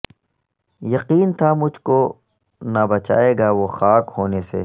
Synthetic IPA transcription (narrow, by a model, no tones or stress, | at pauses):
jɐqiːnt̪ʰamʊd͡ʒʱko | nɐbɐt͡ʃa̰ːeːɡaʋoxaːkhoːnesḛː